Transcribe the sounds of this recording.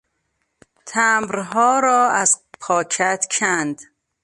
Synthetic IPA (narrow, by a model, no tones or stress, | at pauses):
t̪ʰæmbɾɦɒːɾɒːæzpʰɒːkʰæt̪kʰænd̪